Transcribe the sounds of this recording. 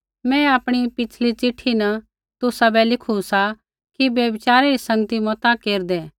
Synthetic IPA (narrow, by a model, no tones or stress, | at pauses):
mɛ̃aːpɽ̃ipɪt͡ʃʰlit͡ʃɪʈʰinɐ | t̪ʊsabɛlɪkʰusa | kibjɐbɪt͡ʃaːɾeisɐ̃ŋɡət̪imɔt̪akeːɾd̪eː